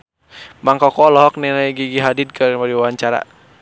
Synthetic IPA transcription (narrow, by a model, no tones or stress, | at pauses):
maŋkɔkɔlɔɦɔk̚nɛlaiɡiɡiɦadid̚kaɾmadiwawaɲt͡ʃaɾa̰